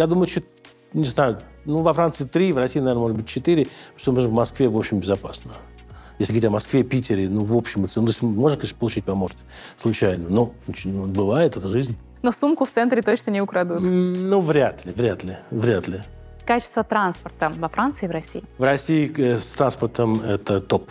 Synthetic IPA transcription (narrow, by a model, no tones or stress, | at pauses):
jad̪uməjʊt͡ɕːot̪ | nʲɪznajʊnuvɐfɾant̪sɨɪt̪ɾʲivrɐsʲiːnɐvʲenəmoʐɨd̪bɨtʲt͡ɕːɪt̪iɾʲɪst̪omɨʐvmɐskvʲevo̞pɕɪmbʲɪzɐpasnə | jesʲlʲɪɡəɾʲitʲɐmɐskvʲepʲitʲɪɾʲɪnuvo̞pɕːɪmət̪sɨnt̪osʲmoʐnəkɐʂt̪əpəlˠʊt͡ɕit̚ʲpɐmort̪ʲɪ | slˠʊt͡ɕæjnənonʲɪt͡ɕʲt̪bɨvajɪt̪ɛt̪əʐɨzʲnʲ | nosumkʊft̪sɛnt̪ɾʲɪt̪ot͡ɕnənʲɪʊkɾɐd̪ut̪nuvɾʲat̪lʲɪvɾʲat̪lʲɪvɾʲat̪lʲɪ | kat͡ɕɪ̥st̪vət̪ɾanspərt̪əvɐfɾant̪sɨɪːvɾɐsʲiɪvrɐsʲiːst̪ɾanspərt̪əmɛt̪ət̪op